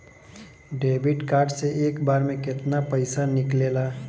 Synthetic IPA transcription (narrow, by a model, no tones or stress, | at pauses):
ɖeːbɪʈkaːɾɖseʔeːkbaːɾmẽkɪt̪napəɪsanɪkleːlaː